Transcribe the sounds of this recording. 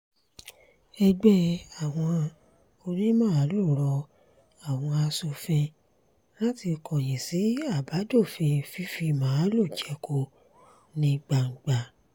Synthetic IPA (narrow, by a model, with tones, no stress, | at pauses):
ɛ˧ɡ͡bɛ˦a˨w̃ɔ̃˧ | o˧ɾi˦mãː˦˨˦lu˦˨ɾɔ˧ | a˨w̃ɔ̃˧a˧so˧fẽ˧ | la˦ti˧kɔ˨j̃ĩ˨si˨˦a˦˨ba˨˦do˦˨fẽ˧fi˦fi˧mãː˨˦lo˦˨d͡ʒɛ˨˦ko˧ | nĩ˧ɡ͡ba˨ŋ̩˨ɡ͡ba˨